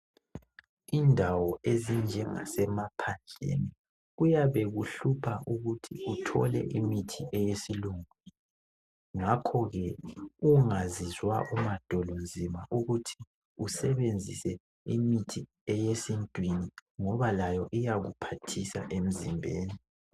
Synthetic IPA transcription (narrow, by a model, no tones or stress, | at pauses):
iːndʱawɔezind͡ʒʱɛŋa̰sɛmapʰand͡ɮʱḛni | ɣujaβɛɣuɬupʰaʔuɣutʰḭutʰɔ̰lɛ̰ʔimitʰiʔɛjesiluŋu | ŋakʰɔɣɛuŋazizwa̰ʔumad̥ʱɔlond͡zʱimaʔuɣutʰi̥ | usɛβend͡zʱisɛ | imitʰi | ɛjesintʼwiniŋɔβalajɔʔijaɣṵpʰatʰisa̰ʔem̩zimbʱeːni